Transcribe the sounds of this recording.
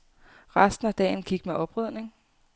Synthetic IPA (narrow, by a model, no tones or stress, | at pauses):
ʁɑsd̥n̩æd̥ɛ̰ːn̩kʰiɡ̥meʔɒ̽b̥ʁœð̰ˠne̝ŋ